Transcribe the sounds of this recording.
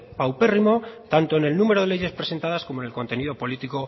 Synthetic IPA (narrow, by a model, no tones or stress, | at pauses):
pawpe̞rimo̞t̪ant̪o̞ene̞lnume̞ɾo̞ðe̞le̞je̞spɾe̞se̞nt̪að̞asko̞mone̞lko̞nt̪e̞niðo̞po̞lit̪iko̞